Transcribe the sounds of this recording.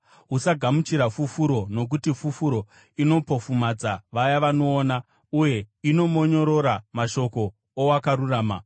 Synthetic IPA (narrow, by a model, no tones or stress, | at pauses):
ɦusaɡʱamut͡ʃiɾafufuɾo̞no̞k̬utifufuɾo̞ | ino̞pofumad͡zaʋajaʋano̞ːna | uje̞ino̞mo̞ɲo̞ɾo̞ɾamaʃo̞ko̞ː | wakaɾuraːma̰